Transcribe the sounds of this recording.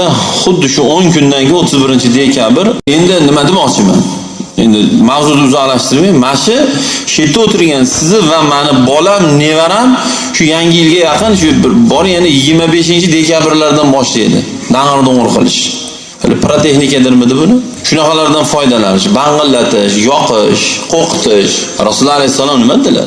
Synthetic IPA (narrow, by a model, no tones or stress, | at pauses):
aχʊd̪ːɪʃʊoŋkʲʰʊnd̪aŋkʲɪot̪ʰːɪzbɪɾɪnt͡ʃʰɪd̪e̞kʲʰabɪɾe̞nd̪ɪnɪmad̪ɪbɒt͡ʃʰɪma̰n | e̞̰nd̪ɪmawzʊd̪ɪʊzɪalaʃt̪ɪɾmajmaʃɪʃe̞t̪ʰːɪot̪ʰɪɾɡʲansɪzɪvamanɪbɒlamne̞vaɾam | ʃʊjaŋʲɪjɪlɡʲajɑqʰɨnʃʊbɪɾbɒɾjanɪjɪɡʲɪɾmabe̞ʃɪnt͡ʃʰɪd̪e̞kʲabɪɾlaɾd̪anbɒʃlɪḛd̪ɪ̰ | d̪aŋɨɾd̪oɴʊɾqʰɨ̰lˠɪ̰ʃ | ha̰lɪpɾot̪ʰe̞xnɪkʲad̪ɪɾmɪd̪ɪbʊnɪ | ʃʊnɑqɑlaɾd̪anfɒjd̪alanɪʃbaɴʁɨlːat̪ʰɪʃjɒqʰɪʃqʰoqʰɨ̥t̪ʰɪʃ | ɾasʊlˠːalajhsːalˠɒmnɪmad̪ɪla̰